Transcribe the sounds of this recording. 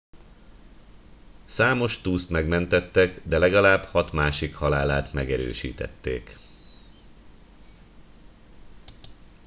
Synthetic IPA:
saːmo̞ʃt̪uːst̪mɛɡmɛnt̪ɛt̪ːɛɡd̪ɛlɛɡɒlaːbhɒt̪maːʃikhɒlaːlaːt̪mɛɡɛɾø̰ːʃḭːt̪ɛ̰t̪ːḛːk

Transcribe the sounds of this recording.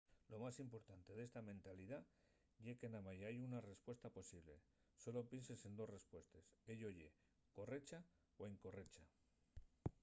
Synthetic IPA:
lo̞masimpo̞ɾt̪ant̪e̞ðe̞st̪amẽnt̪aliða | ʝekenamaʝaajunare̞spwe̞st̪apo̞siβle̞̰ | so̞lo̞pensese̞nd̪o̞sre̞spwe̞st̪e̞seʎoʝe̞ | ko̞re̞t͡ʃa | oeŋko̞re̞t͡ʃa

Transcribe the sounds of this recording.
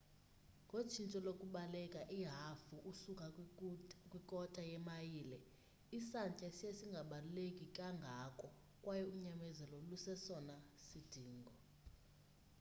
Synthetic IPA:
ŋɡʱot͡ʃʰint͡ʃʼɔlokʼuɓalɛkʼaʔiɦafuʔusukʼa | kʼwikʼɔtʼajɛmajiːlɛ | isant͡ʃʼɛsiesiŋɡʱaɓalulekʼikʼaŋɡʱakʼɔ | kʼwajɛuɲamɛzɛlɔlusɛsɔnasid̥ʱiːŋɡʱɔ

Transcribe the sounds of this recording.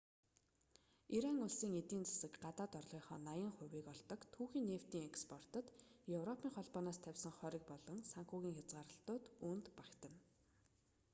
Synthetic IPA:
iɾaŋʊɮsiːŋet̪iːnt͡sḁsɘ̆kɢat̪aːt̪ɔrɮ̥iːχɔːnajə̆ŋχʊ̟wiːkɔɮt̪ɞ̆kt̪ʰːuːxiːnːew̥t̪iːŋekspʰɔr̥t̪ə̆t̪jewrɔpʰiːŋχɔɮpɔːnaːst̪ʰæwʲsə̆ŋχœːɾʲĭk̚pɔɮɞ̆ŋsaŋxuːɣʲiːŋxʲat͡sɢaːɾə̆ɬt̪ʊːt̪unt̪pakt̪ə̆n

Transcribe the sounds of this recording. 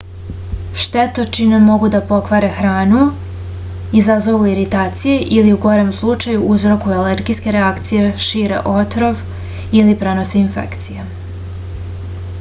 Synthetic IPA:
ʃt̪et̪ot͡ʃinemo̞ɡud̪apo̞kʋaɾe̞xɾaːnu | izazo̞ʋuiɾit̪aːt̪sije̞ʔiliuɡo̞ɾemslˠut͡ʃajuʔuzɾo̞kuele̞ɾɡiske̞ɾeakt̪sije̞ʃiːɾe̞̰ʔo̞t̪ɾo̞ʋ | ilipɾe̞no̞seinfḛkt̪sije

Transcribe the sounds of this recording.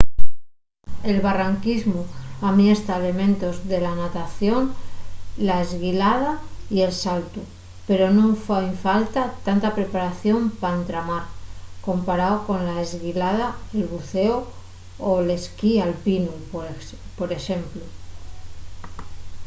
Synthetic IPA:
e̞lβaraŋkizmuamie̞st̪aele̞mẽ̞nt̪o̞zðe̞lanat̪aθjo̞n | laezɣilað̞aie̞lsalt̪u | pe̞ɾo̞nõɱfaiɱfalt̪at̪ant̪apɾe̞paɾaθjo̞mpaent̪ɾamaɾko̞mpaɾaoko̞nlae̞zɣilað̞aelβuθe̞o | ole̞skialpinu | poɾe̞ʃe̞mplu

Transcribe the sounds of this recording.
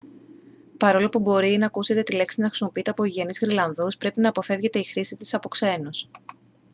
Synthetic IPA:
pɐɾo̞lo̞pubo̞ɾinɐːkuse̞t̪e̞t̪ile̞ksinɐxɾisimo̞piit̪e̞ɐpoiʝenizɣɾilɐnðuspɾe̞pinɐːpo̞fe̞vʝe̞t̪e̞ixɾisit̪i̥sɐpo̞kse̞nus

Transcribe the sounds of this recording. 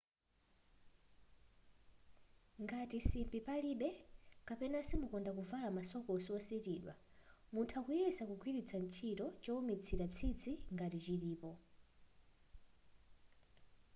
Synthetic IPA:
ŋɡatisimbipaliɓɛkapɛnasimukɔndakuvalamasɔkɔsiwɔsitiːɗwa | muntʰakujɛsakuɡʰʱwiɾit͡sʰant͡ʃʰitɔt͡ʃɔumit͡sʰiɾat͡sʰid͡zʰiŋɡatit͡ʃiɾiːpɔ

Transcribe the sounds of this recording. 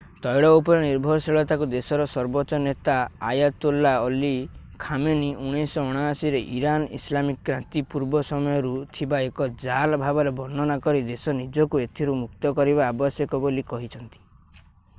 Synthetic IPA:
t̪ɔjɽɔupɔɾeniɾbʱɔɾɔseɭɔt̪akud̪esɔɾɔsɔɾbɔt͡ʃɔnet̪aajat̪ulːaɔlikʰameniuɽ̃esɔɔɽ̃aːsiɾeʔiɾanḭslamikkɾant̪ipuɾbɔsɔmɔjɔɾut̪ʰibaekɔd͡ʒalbʱabɔɾebɔnːɔnakɔɾid̪esɔnid͡ʒɔkuet̪ʰiɾumukt̪ɔkɔɾibaːbɔsjɔkɔbolikɔɦit͡ʃʰɔnt̪i̥

